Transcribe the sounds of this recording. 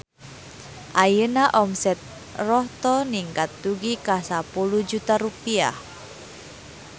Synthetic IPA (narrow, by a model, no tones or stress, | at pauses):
ʔajənaʔɔmsɛt̪̚ | rɔht̪ɔniŋkat̪ːuɡikasapuluhd͡ʒut̪aɾupia̰h